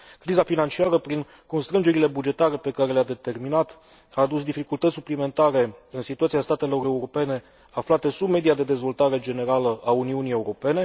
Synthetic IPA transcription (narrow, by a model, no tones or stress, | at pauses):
kɾizafinant͡ʃiaɾəpɾiŋ | ko̞nst̪ɾɨnd͡ʒeɾile̞bud͡ʒe̞t̪aɾe̞pe̞kaɾe̞lead̪e̞t̪e̞rminat̪ | aːd̪usd̪ifikult̪ət̪ʲsuplime̞nt̪aɾe̞ɨnsit̪uat̪siast̪at̪e̞lo̞ɾe̞uɾo̞pe̞ne̞ | aflat̪əsubme̞d̪ijad̪e̞d̪e̞zvo̞lt̪aɾe̞d͡ʒe̞ne̞ɾaləʔauniunije̞uɾo̞pe̞ne̞